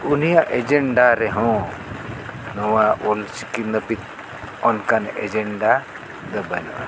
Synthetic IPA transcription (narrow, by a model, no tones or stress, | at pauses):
unijaʔɛd͡ʒɛɳɖaɾɛɦɔ̃ | nɔwaʔult͡ʃikinəpit̪ | ɔnkanɛ̰d͡ʒɛɳɖa | d̪əbənɔ̰ʔɛ